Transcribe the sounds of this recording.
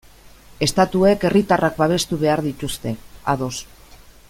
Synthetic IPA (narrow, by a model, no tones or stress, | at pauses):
e̞st̪at̪ue̞ke̞rit̪arak̚baβ̞e̞st̪uβe̞aɾðit̪ust̪e̞aðo̞s